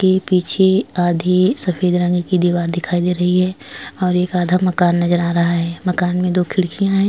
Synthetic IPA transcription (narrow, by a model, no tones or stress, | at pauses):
kepiːt͡ʃʰeaːd̪ʱisɐfeːd̪ɾə̃ŋɡkid̪iːʋaːɾd̪ɪkʰaːid̪eːɾɐɦiɦɛːɔːɾeːkaːd̪ʱamɐkaːnːɐd͡ʒəɾaɾɐɦaɦɛːmɐkaːnmẽd̪oːkʰɪɽkijãɦɛ̃ː